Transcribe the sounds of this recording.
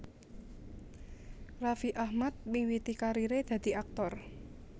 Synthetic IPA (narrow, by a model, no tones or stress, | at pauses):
rafiʔahmat̪̚miŋwit̪ikaɾiɾed̪̥ä̤d̪̥i̤ak̚t̪ɔr